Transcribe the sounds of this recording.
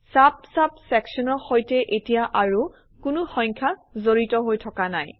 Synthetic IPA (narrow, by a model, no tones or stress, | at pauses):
sap̚sap̚sɛksɔnɔɹxojtɛʔetijaʔaɹu | kʊnʊxɔɲkʰazoɹitɔɦojtʰɔkanaj